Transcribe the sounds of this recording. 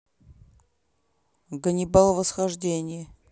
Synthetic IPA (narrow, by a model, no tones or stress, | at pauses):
ɡənʲɪbalˠvəsxɐʐdʲenʲɪjə